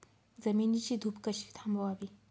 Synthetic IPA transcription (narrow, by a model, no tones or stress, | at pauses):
zɐminit͡ʃid̪ʱupkəʃi̥t̪ʰãmbowabi